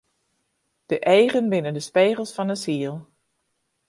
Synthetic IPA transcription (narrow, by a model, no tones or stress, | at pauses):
d̥əʔɛjɣənbɪnəndəspeːɣəlˠsfɔnəsiəlˠ